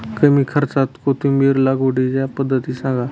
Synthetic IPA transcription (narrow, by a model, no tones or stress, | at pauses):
kəmiːkʰəɾt͡sat̪kot̪ʰũmiːɾlaɡoɽid͡ʒapəd̪ʱːət̪iːsãŋɡa